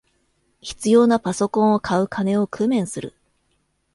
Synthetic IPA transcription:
çi̥t͡sɨjo̞ːnapaso̞kõ̞ɰ̃o̞kʰaɯ̟kʰane̞o̞kɯ̟mẽ̞ɰ̃sɨɾɯ̰

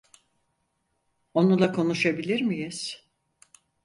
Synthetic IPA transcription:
o̞nulˠakʰo̞nuʃabilʲiɾmijiz̥

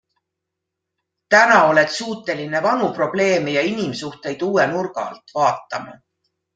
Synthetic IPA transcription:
t̪ænɑo̞le̞t̪suːt̪ːˑe̞line̞vɑnupro̞b̥le̞ːmejɑinimsuht̪e̞jd̪̥uːenurɡ̥ɑ̰lt̪ˑvɑːt̪ˑːɑmɑ̰

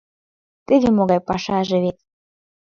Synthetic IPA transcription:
t̪ɘðemoɣɑjpɑʃɑʒĕβet̪

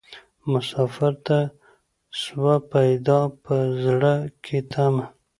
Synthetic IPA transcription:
mʊsɑfaɾt̪a | swapajd̪ɑpəzɽəkʰet̪ʰama

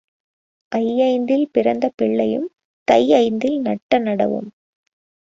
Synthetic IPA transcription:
ʔɐjːɐɪnd̪ɪlpɪɾɐnd̪ɐpɪɭːɐjɯm | t̪ɐjɐɪnd̪ɪlnɐʈːɐnɐɽɐ̰ʋɯ̰m

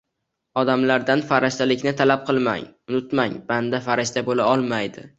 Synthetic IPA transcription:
ɒd̪amlaɾd̪anfaɾaʃt̪alɪkʲnɪt̪ʰalap̚qʰɨlˠma̰ŋʊnʊt̪maŋband̪afaɾaʃt̪abolaɒlˠmajd̪ɪ̰

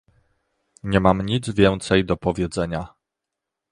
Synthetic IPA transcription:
ɲɛmamɲid̪zvʲjɛnt̪sɛjd̪ɔpɔvʲjɛd̪zɛɲa

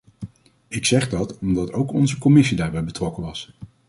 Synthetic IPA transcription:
ɪksɛχdɑtɔmdɑtowkɔnzəkɔmɪsidaːɹbɛjbətrɔkəʋɑs

